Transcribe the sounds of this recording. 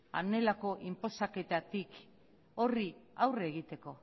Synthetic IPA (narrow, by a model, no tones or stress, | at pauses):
a̰ne̞lako̞ʔimpo̞sake̞t̪at̪ik | o̞riawreːɣ̞it̪e̞ko̞